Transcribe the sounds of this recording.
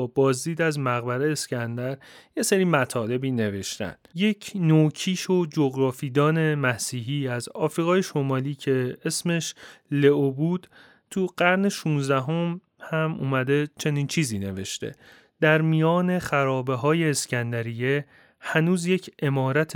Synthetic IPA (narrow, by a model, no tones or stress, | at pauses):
bɒːzd̪iːd̪æzmæɣbæɾeːscʰænd̪æɾje̞seɾiːmæt̪ʰɒːle̞biːne̞ve̞ʃt̪æ̰nd̪̥je̞cʰnoːcʰiːʃo̞d͡ʒoɡɾɒːfiːd̪ɒːne̞mæsiːɦiːæzɒːfɾiːɣɒːje̞ʃo̞mɒːliːcʰe̞esme̞ʃle̞obud̪̥ | t̪ʰuɢæɾne̞ʃuːnzd̪æɦo̞m | hæmṵːmæd̪e̞t͡ʃʰe̞niːnt͡ʃʰiːziːne̞ve̞̰ʃt̪e̞̰ | d̪̥æɾmijɒːne̞χæɾɒːbe̞ɦɒːje̞ːscænd̪æɾije̞ | hænuːzje̞cʰe̞mɒːɾæt̪ʰ